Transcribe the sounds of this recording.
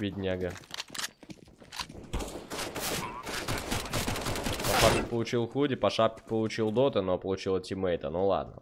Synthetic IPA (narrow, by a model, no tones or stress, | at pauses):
vʲidʲnʲaɡə | pɐʂap̚kʲɪpəlˠʊt͡ɕilˠxudʲɪpɐʂapkʲɪ̥pəlˠʊt͡ɕilˠd̪ot̪ɨnopəlˠʊt͡ɕilˠətʲɪmɛjt̪ənolˠa̰d̪̚nə̰